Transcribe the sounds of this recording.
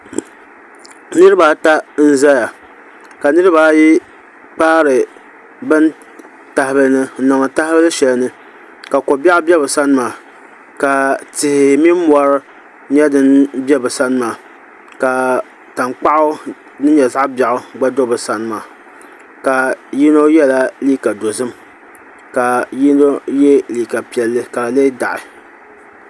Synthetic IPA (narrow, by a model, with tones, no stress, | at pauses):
nɨ˦ɾɨ˦baː˦ta˦n̩˦za˦ja˨ | ka˨nɨ˦ɾɨ˦baː˨˦ji˦ | k͡paː˦ɾɨ˨ | bɨ˦n | ta˨hɪ˨bɨ˨˦nɨ˦n̩˦nɔ˨ŋ˨ta˦hɪ˦bɨ˦lɨ˦ʃɛ˨lnɨ˦ | ka˨ko˨ba˦ʔʊ˦bɛ˦bɨ˨sa˦n˦maː˨ | ka˨tɪ˨hɪ˨mi˦m˦m˦ɔ˨ɾ | ɲɛ˦dɨ˦nbɛ˦bɨ˨sa˦nɨ˦maː˨ | ka˨ | ta˨ŋk͡pa˦ʔʊ˦ | nɨ˦ɲɛ˨za˦ʔba˨ʔʊ˨ɡ͡ba˦do˦bɨ˨sa˦nɨ˦maː˨ | ka˨ji˦no˦jɛ˦la˦liː˦ka˨do˨zɨ˦m | ka˨ji˦no˦jɛ˦liː˨ka˨pi˨ɛ˨lːɨ˦ka˨la˨le˦da˨ʔɪ˨